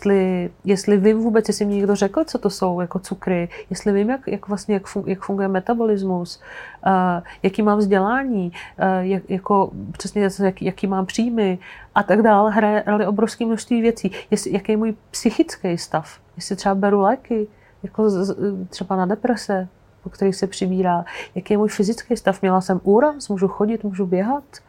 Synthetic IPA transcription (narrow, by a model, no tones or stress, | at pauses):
jɛst̪lɪjɛst̪lɪvɪmvuːbɛt͡sjɛsɪmɲɲɛɡdorɛkl̩t͡so̞t̪o̞so̞wjako̞t͡sukɾɪjɛst̪lɪvɪmjakjakvlast̪ɲɛjakfujakfuŋɡujɛmɛt̪abo̞lɪzmus | jakiːmaːmvzɟɛlaːɲiːjajako̞pr̝̥ɛsɲɛjakijakiːmaːmpr̝̥iːjmɪʔat̪aɡdaːlɦɾajɛɦɾalɪʔobɾofskiːmnoʃst̪viːvjɛt͡siːjɛsɪjakejɛmuːjpsɪxɪt͡skɛjst̪af | jɛsɪt̪r̥ɛbabɛɾulɛkɪ | jako̞t̪r̥ɛbanadɛpɾɛsɛ | pokt̪ɛɾixsɛpr̝̥ɪbiːɾaːjakejɛmuːjfɪzɪt͡skɛjst̪afmɲɛlasɛmʔuːɾasmuːʒuxoɟɪt̪muːʒubjɛɦat̪